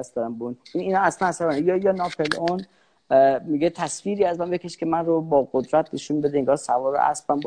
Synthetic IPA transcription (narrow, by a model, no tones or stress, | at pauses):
æst̪d̪ɒːɾæmbuniniːnɒæslænæsæɾɔnjɒjɒːnɒpʰelon | miɡet̪ʰæsfiːɾiːæzmænbekʰʲe̞ʃkʲʰe̞mænrobɒːɢod̪ɾæt̪ʰne̞ʃunbe̞d̪eeŋɡɒːhsævɒːɾo̰ʔæ̰sbænb